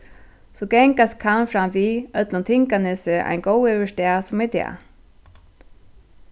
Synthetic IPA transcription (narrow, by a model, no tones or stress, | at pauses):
sɔɡɛŋkast̪kʰanfɾamviːœt̪lʊnt̪ʰɪŋkanɪsɪʔa̰jnɡɔwʏʋɛʂt̪ɛasʊmɛt̪ʰɛ̰ː